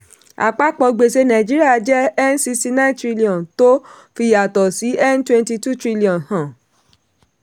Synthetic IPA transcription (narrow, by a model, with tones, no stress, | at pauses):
a̰˨k͡pa˦k͡pɔ˧ɡ͡be˧˨s̬e˧˦nã˨d͡ʒi˦ɾi˦a˦˨˧d͡ʒɛ˦ɛ˦n˦si˧sti˧nã˦ntɾi˦li˨ɔ̃˨nto˦ | fi˧ja˨tɔ˨si˨˦ɛ˦n˦twɛ̃˧nti˧tu˦˨tɾi˦li˨ɔ̃˨nhã˨